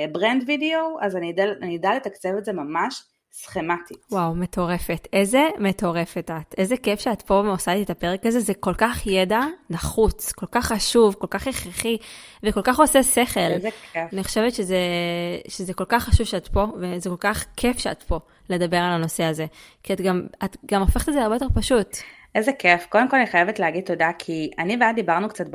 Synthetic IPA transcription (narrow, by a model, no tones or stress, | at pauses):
bʁendvideoazanidaanidaletakt͡sevetzemamaʃ | sχematiwawme̞tʰo̞ʁe̞fe̞tʰejze̞me̞to̞ʁe̞fetat̪e̞zekefʃeatpo̞vosat̪iet̪ape̞ʁekazezeko̞lkaχjedanaχut͡sko̞lkaχːaʃuvko̞lkaχeχʁeχi | veko̞lkaχo̞sese̞χe̞laniχoʃe̞vetʃezeʃezeko̞lkaχːaʃuv̥ʃeatpo̞vezeko̞lkaχkʰe̞fʃea̰tpo̞ | le̞dabe̞ʁalano̞seaze̞kiatɡamatɡamo̞feχe̥tedzeaʁbeot̪̬e̞paʃut | ʔezekefkodemko̞laniχajevetleaɡid̚t̪odakʰianiveadibaʁnukt͡sat̚b